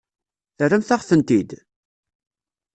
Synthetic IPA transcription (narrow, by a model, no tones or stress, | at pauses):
θrəmθaʁθənt̪id̪